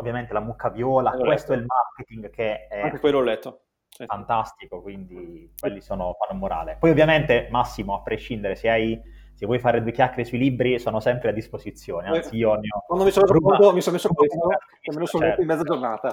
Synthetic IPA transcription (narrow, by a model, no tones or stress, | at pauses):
ovːjament̪elamukʰːavjɔːlakwest̪oɛlmarket̪iŋɡkeɛkeejlɔlːɛt̪ːo | ifant̪ast̪ikokwind̪ikwelːisoːnofanːomoɾa̰ːlepɔjovːjament̪emasːimoapːɾeʃːind̪eɾeseaj | sevːwɔjfaːɾed̪uːekjakːeɾesuilibɾisoːnosɛmpɾead̪ːispozit̪sːjoːneasiɔnjowand̪omisonmes̬ɔt̪omisonmesːokt̪ | ammenosonɛt̪oimɛd̪zad͡ʒornaːt̪a